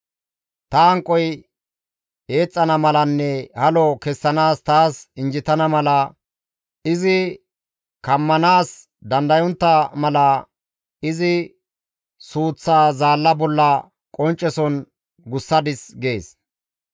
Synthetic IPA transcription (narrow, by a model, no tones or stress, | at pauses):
t̪ɐɐŋkʼːɔj | e̞ːt͡sʼːɐnɐmɐlɐnːɛhɐlɔkɛsːɐnaːst̪aːsɪnd͡ʒɪt̪ɐnɐmɐlɐ | ɪzɪ | kɐmːɐnaːs | d̪ɐnd̪ɐjɔnt̪ːɐmɐlɐ | ɪzɪ | suːt͡sːaːzaːlːɐbɔlːɐ | kʼɔnt͡ʃʼːɛsɔn | ɡʊsːɐd̪ɪsɡe̞ːs